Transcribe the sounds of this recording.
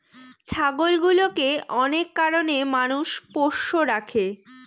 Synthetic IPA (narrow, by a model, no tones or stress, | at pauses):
t͡ɕʰaɡolɡulokeɔnekːaɾonemanuʃpoʃːoɾakʰe